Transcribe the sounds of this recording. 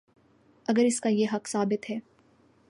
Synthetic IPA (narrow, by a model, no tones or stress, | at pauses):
ɐɡəɾɪskajeɦɐqsaːbɪt̪ɦɛː